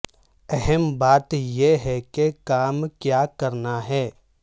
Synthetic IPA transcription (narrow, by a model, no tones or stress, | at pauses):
ɛɦɛmbaːt̪jeɦɛkekaːmkjaːkɐɾnaɦɛː